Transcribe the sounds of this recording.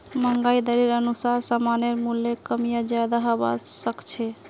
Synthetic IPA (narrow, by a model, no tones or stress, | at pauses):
məŋɡajd̪əɾeɾənusaɾsamaneɾmulːekəmijad͡ʒad̪aɦaba̰səkt͡ʃʰe